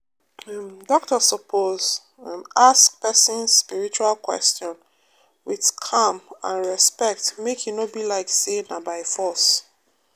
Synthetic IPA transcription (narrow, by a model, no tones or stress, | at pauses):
mdɔk̚tɔsɔpʰoz̃ | askpɛsĩnspiɹit͡ʃualˠkwɛ̰stɔ̃n | wiðkʰãmãnɹɛspɛk̚tmekʰjunobilaɪksenabaɪfɔs